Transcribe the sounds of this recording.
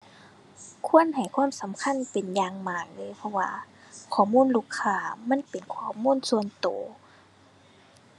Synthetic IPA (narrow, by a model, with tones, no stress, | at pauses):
kʰu˧˥ənha˨˩jkʰwaː˧˥˨msa˨˦mkʰa˧˥˨npe˨njaː˧ŋmaː˨˩k̚lɤː˧˥˨jpʰɔ˧wa̰ː˧kʰɔː˨˩muː˧˥˨nluː˧˥˩kʰːaː˧˩ma˧˥˨npe˨˩nkʰɔː˧˩muː˧˥˨nsu˧ənt̪oː˨˦